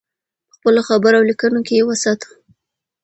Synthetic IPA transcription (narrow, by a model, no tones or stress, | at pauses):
pə̥xpəloxabəɾawlikənokejewasat̪u̥